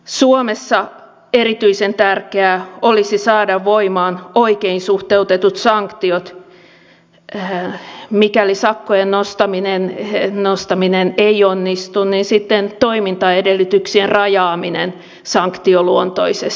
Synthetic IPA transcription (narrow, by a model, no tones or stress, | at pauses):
suomesːɑ | erit̪yisent̪ærkeæolisisɑːdɑʋʋoimɑːnoikeinsuht̪eut̪et̪ut̪sɑŋkt̪iot̪ | mikælisɑkːojennost̪ɑminennost̪ɑmineneionːist̪unninsit̪ːent̪oimint̪ɑedelːyt̪yksienrɑjɑːminen | sɑŋkt̪ioluont̪o̰ises